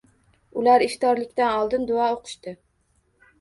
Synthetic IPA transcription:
ulæɾiʃt̪ɑɾlˠɪkʲt̪ænɑlˠd̪ɨnd̪oɑːoqʰʊ̥ʃt̪ɨ

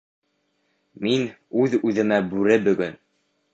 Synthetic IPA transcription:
min | ʉðʉðɘ̆mæbʉɾɘbɵ̆ɡɵn

